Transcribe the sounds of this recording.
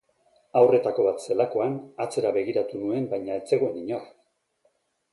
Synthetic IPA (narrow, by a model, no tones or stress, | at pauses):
awre̞t̪ako̞β̞at̪se̞lako̞anat͡se̞ɾaβe̞ɣiɾat̪unue̞mbajɲae̞t͡se̞ɣoeniɲor